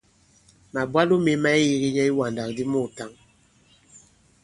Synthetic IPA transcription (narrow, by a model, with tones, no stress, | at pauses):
ma˨bwa˦lu˦me˨˦ma˦i˦ji˦ɣi˦ɲɛ˦i˦wa˨n˨da˨k̚di˦mu˦˨ta˦ŋ